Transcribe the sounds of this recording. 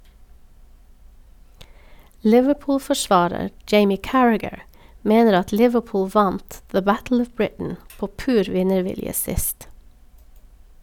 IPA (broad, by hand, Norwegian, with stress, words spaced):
ˈlɪʋəˌpʊːlfɔˌʃʋɑːɾəɾ ˈd͡ʒeɪmɪ ˈkæɹæɡəɹ ˈmeːnəɾ ˈɑt ˈlɪʋəˌpʊːl ˈʋɑnt ðə ˈbætl̩ ˈɔʋ ˈbɹɪtn̩ ˈpoː ˈpʉːɾ ˈʋɪnəˌʋɪljə ˈsɪst